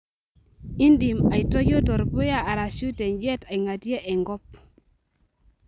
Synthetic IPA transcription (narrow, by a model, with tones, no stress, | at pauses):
i˦ndi˨ma˨i˨tɔ˦jo˦tɔ˨ɾbu˦ja˦a˨ɾa˨ʃu˦te˨ɲd͡ʒe˦ta˨i˨ŋa˨tje˦ʔɛ˨ŋɡɔ˦p̚